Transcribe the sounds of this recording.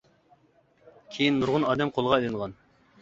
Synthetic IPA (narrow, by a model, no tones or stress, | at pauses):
kʲʰejinːuɾʁʊnɑːd̪ɛmqʰolˠʁɑelɨŋʁɑn